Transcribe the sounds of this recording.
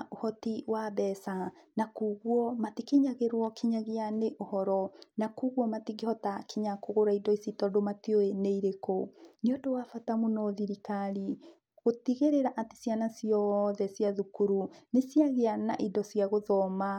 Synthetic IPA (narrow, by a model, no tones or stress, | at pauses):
ʔohɔtiwaβɛsanakuɣwɔmatikeɲaɣeɾwɔkiɲaɣeaneʔohɔɾɔnakuɣwɔmatiɡehɔtakeɲakoɣoɾaidɔisitɔdomatioeneiɾekoneodowafatamonɔðiɾikali | ɣotiɣeɾeɾaʔati̥sjanasijɔðɛsjaðukuɾunesjaɣeana̰ʔidɔsjaɣoðɔma